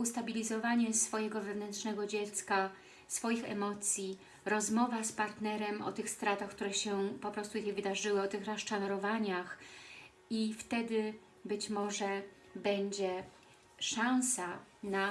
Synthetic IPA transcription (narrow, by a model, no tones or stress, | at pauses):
ust̪abʲilʲizɔvaɲɛsfɔjɛɡɔvɛvnɛntʂnɛɡɔd͡ʑɛt̪ska | sfɔjixɛ̰mɔt̪sʲji | ɾɔzmɔvaspaɾt̪nɛɾɛmʔɔ̰t̪ɘxst̪ɾat̪axk̚t̪uɾɛɕɛpɔpɾɔst̪ujvɘd̪aʐɘwɘɔt̪ɘxɾaʂt͡ʂanɔɾɔvaɲax | ift̪ɛd̪ɘ | bɘt͡ɕmɔʐɛ | bɛɲd͡ʑɛ | ʂãñsana